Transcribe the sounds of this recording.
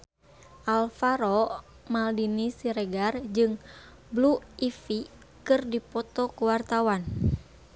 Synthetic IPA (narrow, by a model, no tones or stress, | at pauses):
ʔalfaɾɔ | maldinisiɾɛɡard͡ʒɨŋ | bluifi | kɨrdipɔt̪ɔkuwart̪awan